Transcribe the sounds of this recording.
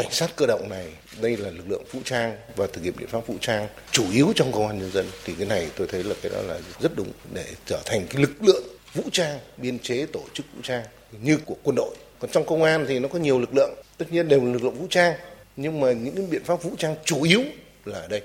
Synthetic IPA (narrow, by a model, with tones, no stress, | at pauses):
ka˧˩ŋ̟saː˦˥t̚kəː˧ɗə̰˧˨wŋ͡mna˨˩j | ɗə˧jlaː˨˩lɨ˨˩k̚lɨ̰˧˨əŋvṵ˧˥t͡ɕaː˧ŋvaː˨˩t̪ɨ˨˩k̚hḭ˧˨ɓḭ˧˨ə˨˦fa˦˥p̚vṵ˧˥t͡ɕaː˧ŋt͡ɕu˧˩ʔi˨˦əwt͡ɕɔ˧wŋ͡mkə˧wŋ͡mʔaː˧nɲə˧nzə˧nt̪ʰi˨˩k̪a˨˦na˨˩jt̪o˧jt̪ʰə˨˦jlaː˨˩kaː˨˦jɗɔ̰˨˦laː˨˩zə˦˥t̚ɗʊ˨˦ŋ͡mɗe˧˩t͡ɕəː˧˩t̪ʰa˨˩ŋ̟kaː˨˦jlɨ˨˩k̚lɨ̰˧˨əŋ | vṵ˧˥t͡ɕaː˧ŋɓi˧ənt͡ɕe˨˦t̪o˧˩t͡ɕɨ˦˥k̚vṵ˧˥t͡ɕaː˧ŋ | ɲɨ˧ku˧˩əkwə˧nɗo̰˧˨j | kɔ˨˩nt͡ɕɔ˧wŋ͡mkə˧wŋ͡mʔaː˧nt̪ʰi˨˩nɔ˨˦kɔ˨˦ɲi˨˩əwlɨ˨˩k̚lɨ̰˧˨əŋt̪ə˦˥t̚ɲi˧ənɗe˨˩wlaː˨˩lɨ˨˩k̬̚lɨ̰˧˨ə˨˩vṵ˧˥t͡ɕaː˧ŋɲɨ˧ŋmaː˨˩ɲɨ̰˧˥ŋka˨˦ɓḭ˧˨ənfaː˦˥p̚vṵ˧˥t͡ɕaː˧ŋt͡ɕu˧˩ʔi˨˦əw | laː˨˩ʔəː˧˩ɗə˧j